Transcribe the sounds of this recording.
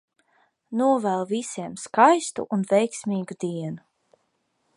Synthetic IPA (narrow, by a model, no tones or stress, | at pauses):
nuɔvælˠvisiɛmskajst̪ṵʔunvɛjksmiːɡud̪iɛnu